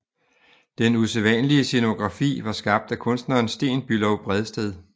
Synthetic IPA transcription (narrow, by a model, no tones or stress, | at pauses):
d̥enuseʋænəliəseno̝ɡ̥ʁɑ̈fḭːʋɑ̈sɡ̥ɑ̈b̥̚d̥ækʰɔ̽nsd̥nɐːnsd̥e̝̰ːnb̥ylɒʊb̥ʁɛðˠsd̥eð̞ˠ